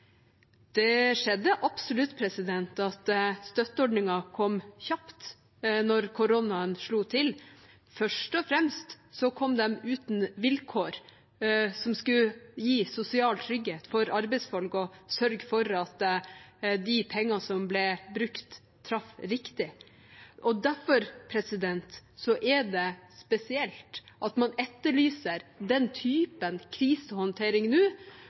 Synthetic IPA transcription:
d̪̥ɛʂɛd̪ːəʔɑpsʊlʉt̪ːpʰɾɛsɪd̪ɛnt̪ɑt̪st̪œt̪ːəɔɖnɪŋɑkʰɔmːçɑpt̪ | nɔɾkʰʊɾɔnɑənʂɭuːt̪ʰɪl | fœʂʈɔfɾɛmst̪ | sɔkʰɔmd̪ɛmʉːt̪nʋɪlkʰoːɾ | sɔmskʉjiːsʊsɪɑːlt̪ʰɾʏɡːheːt̪fɔɾɑɾbɛɪsfɔlkɔsœɾɡfɔɾɑt̪ | d̪ɪpʰɛŋːɑsɔmblɛbɾʉkt̪ʰː | ɾɑfɾɪkt̪ɪ | ʔɔd̪æɾfɔɾpʰɾɛsɪd̪ɛnt̪sɔʔɛd̪ɛspɛsɪɛlt̪ʔɑt̪mɑnɛt̪ːəɭyːsəɾd̪ɛnt̪ʰyːpənkʰɾiːsəhɔnt̪ʰeːɾɪŋnʉː

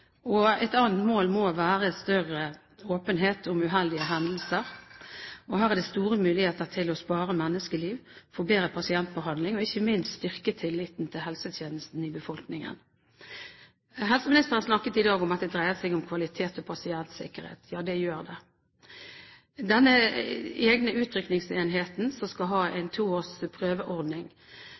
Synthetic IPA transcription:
ɔɛt̪ɑːnt̪moːlmoːʋæːʁəɛst̪œrə | oːpənɦeːt̪ʰʊmʉɦɛld̪ɪəɦɛnd̪əl̩səʁ | ɔɦæːʁæd̪ɛst̪uːʁəmʉːlɪheːt̪əʁt̪ʰɪlɔspɑːɾəmɛnːəskəliːʋfɔːbeːɾəpʰɑsɪɛnt̪̚bəhɑnlɪŋɔɪçːəmɪnst̪st̪ʏʁkət̪ʰɪlːɪt̪nt̪ʰɪlɦɛlsət̪ʰjeːnəst̪n̩ɪbəfɔlknɪŋə̰n | ɦɛlsəmɪnɪst̪əʁənsnɑkːət̪ɪd̪ɑːɡʊmɑt̪̚d̪ɛd̪ʁæɪəsɛɪɡʊmkʰʋɑlɪt̪ʰeːt̪ɔpʰɑsɪɛnt̪sɪ̰kəʁhḛːt̪ʰjɑːd̪ɛjøːʁd̪ɛ | d̪ɛnːə | eːɡnəʉːt̪ʰɾʏknɪŋseːnɦeːt̪n̩sɔskɑlɦɑːʔɛɪnt̪ʰuːoːspʰʁøːʋəʔɔʁd̪nɪŋ

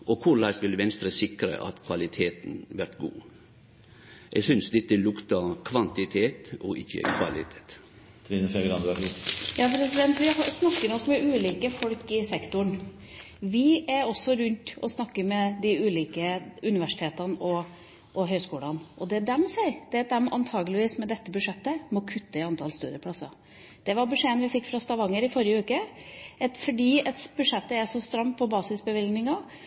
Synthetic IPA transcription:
ʔɔkʰʊɾlɑɪsʋɪlʋɛnst̪ɾəsɪkɾə̰ʔɑ̰t̪kʰʋɑlɪt̪ʰeːt̪n̩ʋæɾt̪ɡṵː | ʔɛɡsʏnsd̪ɪt̪̚ːɪlʊkt̪ɑkʰʋɑnt̪ɪt̪ʰeːt̪ɔʔɪçːə̰kʰʋɑ̰lɪ̰t̪ʰeːt̪ | t̪ʰɾinəfɛɡɾɑnd̪ɑkɪjɑːpʰɾɛsɪd̪ɛnt̪ʋɪɦɑsnɑkːənɔkːmɛʔʉːliːkəfɔlkɪsɛkt̪ʊɳ | ʋɪæɾɔsːɔɾʉnt̪ɔsnɑkːəɾmɛd̪ɪʉːliːkəʉnɪʋæʂɪ̥t̪ʰeːt̪ɑnɔ | ʔɔɦœʏskuːlɑnʔɔd̪ɛd̪ɛmsæɪd̪̥ɛt̪̚d̪ɛmʔɑ̰nt̪ʰɑːɡəlɪʋiːsmɛd̪ɛt̪ːəbʉʂɛt̪ːəmɔkʰʉt̪ːəɪɑnt̪ʰɑːlst̪ʉ̰ːd̪ɪəpʰlɑsɑ̰ | d̪̥ɛʋɑɾbʉʂeːənʋɪfɪkːfɾɑst̪ɑʋɑŋːəɾɪfɔɾjəʉːkəɛt̪fɔɖiːɛt̪bʉʂɛt̪ːəæʂɔst̪ɾɑmpʰɔbɑːsɪsbəʋɪlɡnɪŋɑ

